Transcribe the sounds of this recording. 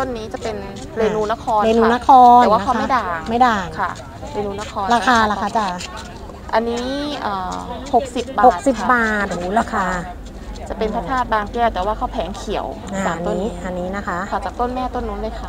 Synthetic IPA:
t̪o˥˩˨nːiː˦˥t͡ɕa˨˩pe˧n | leː˧nuː˧na˧˥kʰɔː˧nleaː˧nuː˧na˦˥kʰɔː˧n˨˩waː˥˧˦a˥˩ma˥˩˨daː˨˩˧ma˥˩jdaː˨˩ŋkʰa˥˩ | leː˧nuː˧na˦˥kʰɔː˧nlaː˧kʰaː˧laː˧kʰa˧˩t͡ɕa˨˩ | ʔa˧nːiː˦˥ʔəː˨˩ho˨˩k̚si˨˩p̚baːho˨˩tk̚si˨˩pbaː˨˩t̪̚ːla˧kʰaː˧ | t͡ɕa˨˩pe˧npʰa˦˥t̪ʰaː˥˩t̪̚baː˧ŋkɛː˧˩t̪ɛː˨˩waː˥˩kʰa˦˥˩wpʰɛː˩˦ŋkʰi˨˩˦ə˦w | a˧˩aː˨˩a˧no˥iː˦˥˦a˧nːiː˦˥na˦˥kʰa˦˥ʔʰa˧˩t͡ɕaː˨˩k̚t̪o˥˩nmɛː˥˩t̪o˥˨nːuː˦˥nlaː˧˥˩jkʰa˧˩

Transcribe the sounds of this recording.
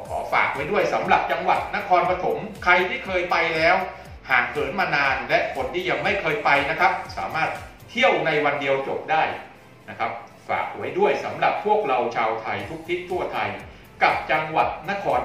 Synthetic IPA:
kʰɔ̰ː˩˦fa̰ː˨˩k̚wa˦˥jdu˥˩əjsa˩˦mɾa˨˩p̚t͡ɕa˧ŋwa˨˩t̪̚na˦˥kʰɔː˧npa˧t̪ʰo˩˦mkʰa˧jt̪ʰiː˥˩kʰɤː˧jpa˧jlɛː˦˥w | haː˨˩ŋ̚pʰɤː˩˦nmaː˧naː˧nlɛ˦˥ʔkʰo˧nt̪ʰiː˥˩ja˧ŋma˥˩jkʰɤː˧jpa˧jna˦˥kʰa˦˥p̚sa̰ː˩˦maː˥˩t̪̚ | tʰːi˥˩əwna˧jwa˧ndi˧əwt͡ɕo˨˩p̚daː˥˩j | na˦˥kʰa˦˥p̚ | fa̰ː˨˩k̚hu˩˦əjdu˥˩əjsa˩˦mɾa˨˩p̚ʰːu˥˩ək̚ɾa˧wt͡ɕʰaː˧wt̪ʰa˧jt̪ʰu˦˥k̚t̪ʰi˦˥t̪ʰːu˥˩ɐt̪ʰa˧j | ka˨˩p̚t͡ɕa˧ŋwa˨˩t̪̚na˦˥kʰɔː˧n

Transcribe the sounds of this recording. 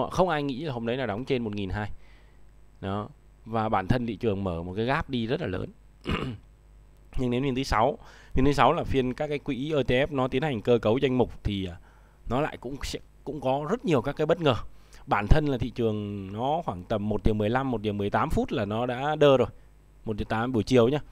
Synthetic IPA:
xə˧wŋ͡mʔaː˧jŋḭ˧˥laː˨˩ho˧mɗə˨˦jnaː˨˩wɗɔ˨˦wŋ͡mt͡ɕe˧nmo˨˩t̚ŋi˨˩nɦaː˧j | ɗɔ˨˦ | vaː˨˩ɓaː˧˩nt̪ʰə˧nt̪ʰḭ˧˨t͡ɕɨ˨˩əŋməː˧˩mo˨˩t̚kaː˨˦ɣaː˦˥p̚ɗi˧zə˦˥t̚laː˨˩lə̰ː˨˦n | ɲɨ˧ŋne˨˦wfi˧nt̪ʰɨ˨˦sa˨˦w | fi˧nt̪ʰɨ˨˦sa˨˦wlaː˨˩fi˧ənkaː˦˥kːaː˨˦jkwḭ˧˥ʔəː˧˩t͡ɕ̪e˧ʔɛ˦˥p̚nɔ˨˦t̪i˨˦ənha˨˩jŋ̟kəː˧kə˨˦wza˧jŋ̟mʊ˨˩k͡p̚t̪ʰi˨˩aː˨˩ | nɔ˨˦la̰ː˧˨jkʊ̰˧˥ŋ͡msɛ̰˧˥kʊ̰˧˥ŋ͡mkɔ˨˦zə˦˥t̚ɲi˨˩əwkaː˦˥kaː˨˦ɓə˦˥t̚ŋəː˨˩ɓaː˧˩nt̪ʰə˧nlaː˨˩ḭ˧˨t͡ɕɨ˨˩əŋnɔ˨˦xwaː˧˩ŋt̪ə˨˩mː˨˩t̚ɗi˨˩wmɨ˨˩əjla˧mːo˨˩t̚ɗi˨˩mɨ˨˩əjt̪aː˨˦mfu˦˥t̚laː˨˩nɔ˨˦ɗa̰ː˧˥ɗəː˧zo˨˩j | mo˨˩t̚ɗi˨˩t̪aː˨˦mɓu˧˩t͡ɕi˨˩əwɲaː˧

